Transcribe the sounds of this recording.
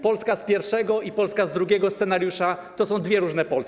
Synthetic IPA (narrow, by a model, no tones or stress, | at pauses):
pɔlskaspʲjɛɾfʂɛɡɔipɔlskazd̪ɾuɡʲjɛɡɔst̪sɛnaɾjuʂat̪ɔsɔ̃w̃d̪vjɛɾuʐnɛpɔls